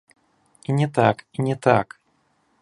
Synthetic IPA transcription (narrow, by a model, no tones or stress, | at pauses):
inʲɛt̪akinʲɛt̪a̰k